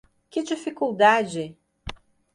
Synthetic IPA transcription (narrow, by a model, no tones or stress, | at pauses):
kɪd͡ʒifikuwd̪ad͡ʒɪ